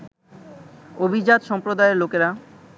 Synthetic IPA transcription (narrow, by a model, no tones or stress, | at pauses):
obʱid͡ʑad̪ʃɔmpɾod̪aeɾlokeɾa